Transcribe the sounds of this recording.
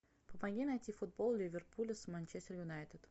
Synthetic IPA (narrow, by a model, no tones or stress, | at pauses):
pəpaɡʲinajt̪ʲifʊd̪̚bolˠlʲɪvʲɪrpulʲɪsmanʲt͡ʃesʲt̪ʲərjʊnajt̪ʲɪt̪